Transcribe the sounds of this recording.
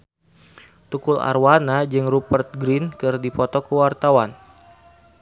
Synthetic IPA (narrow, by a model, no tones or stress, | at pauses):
t̪ukula̰rwanad͡ʒɨŋrupərt̪̚ɡɾinkɨrdipɔt̪ɔkəwart̪awan